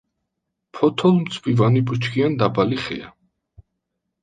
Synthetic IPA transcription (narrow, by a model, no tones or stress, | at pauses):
pʰɔt̪ʰɔlˠmt̪sʰpʼivanibʼut͡ʃʰɡʰʼiand̪abaliχɛ̰a